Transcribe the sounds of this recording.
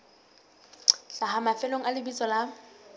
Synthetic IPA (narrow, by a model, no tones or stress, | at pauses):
ɬaɦamafɛloŋ̩alɪbit͡sʼɔla